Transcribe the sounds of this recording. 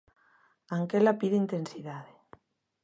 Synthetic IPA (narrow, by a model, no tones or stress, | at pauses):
aŋkelapiðeint̪ensiðaðe